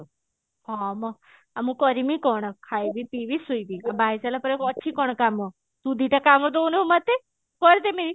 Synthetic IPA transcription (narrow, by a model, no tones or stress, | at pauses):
hɔmɔ | amũkɔɾimikɔɳ̃ɔkʰajbit̪iʋisujbiabajsalapəɾekɔt͡ʃʰikɔɳ̃kamɔ | t̪ud̪ʱiʈakamɔd̪ownemat̪ːe | kɔɾt̪emiɾi